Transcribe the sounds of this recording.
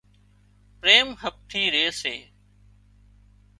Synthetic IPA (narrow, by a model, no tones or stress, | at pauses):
pɾeːmhəp̚ʈ̪ʰiːɾeːseː